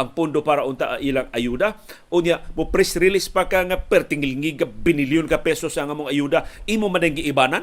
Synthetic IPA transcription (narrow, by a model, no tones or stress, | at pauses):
aŋpʊndopaɾaunt̪aʔaʔilaŋajuda | unjamupɾɪsɾilɪspakaŋapɛrt̪iŋilŋiɡabiniliʊnkapɛsɔsaŋamʊŋajudaimumadaŋɡiʔːbanan